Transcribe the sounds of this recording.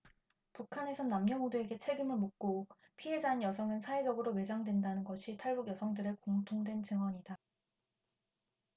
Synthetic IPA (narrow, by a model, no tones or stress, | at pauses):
pukʰane̞sʰʌnːamɲʌŋudue̞ɡe̞t͡ɕʰe̞ɡimɯɭmok̚k͈o | pʰie̞d͡ʑanjʌsʰʌŋɯnsʰae̞d͡ʑʌɡɯɾome̞d͡ʑaŋdwe̞ndanɯnɡʌɕʰitʰaɭbuɡjʌsʰʌŋdɯɾekoŋtʰoŋdwe̞nt͡ɕɯŋɦwʌɲida